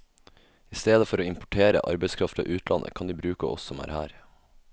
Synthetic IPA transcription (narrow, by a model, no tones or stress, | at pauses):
ɪst̪eːd̪əfɔɾoːɪmpʊʈʰeːɾə̰ʔɑ̰ɾbɛɪskʰɾɑft̪ɑ̰ːʔʉːt̪ʰlʔɑ̰nʔə̰kʰɑnd̪iːbɾʉːkəʔɔ̰ssɔmæ̰ːɾhæːɾ